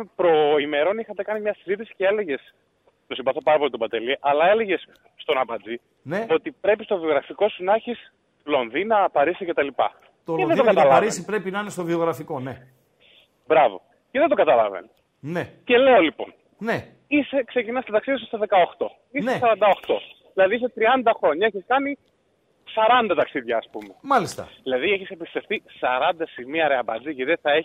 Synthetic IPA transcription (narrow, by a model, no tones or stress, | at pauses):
pɾo̞ime̞ɾo̞nixɐt̪e̞kɐnimɲɐsizit̪̬isi̥cee̞leʝe̞s | t̪o̞simbɐθo̞pɐɾɐpo̞lit̪obɐt̪e̞liʔɐlɐe̞le̞ʝe̞sː | t̪o̞nɐpɐd͡zi | neo̞t̪ipɾe̞pist̪o̞vio̞ɣɾɐfiko̞sunɐçis | lo̞nðinɐpɐɾisice̞t̪ɐlipɐ̰ | t̪oleðed̪oɐt̪ɐlɐɾisipɾe̞pinɐinest̪ovio̞ɣɾɐfiko̞ne | bɾɐvo̞̰ | ceðed̪o̞ɡɐt̪ɐlɐ̰vḛn | nece̞le̞o̞lipo̞̰n | ne | ise̞kse̞cinɐst̪t̪ɐksiðjɐs̬ust̪oðe̞kɐo̞xt̪o̞ | isesɐɾɐnd̪ɐoxt̪o̞̰ðilɐðis̬et̪ɾiɐnd̪ɐxɾo̞ɲɐeçiskɐni | sɐɾɐnd̪ɐt̪ɐksiðʝɐːspumemɐlist̪ɐ̰ðilɐðieçisepist̪e̞fθisɐɾɐnd̪ɐsimiɐɾeɐbɐ̰d͡zicðeθɐe̞